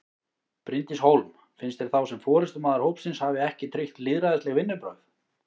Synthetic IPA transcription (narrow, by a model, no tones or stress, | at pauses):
pɾɪnt̪ɪshowlm | fɪnst̪ɛɾ̥θawsɛmfɔːɾɪst̪ʏmaːðaɾ̥howpsɪnshavɪɛhcɪt̪ʰɾɪht̪lɪðɾaðɪst̪lɛɣvɪnːʏpɾœ̰ɥθ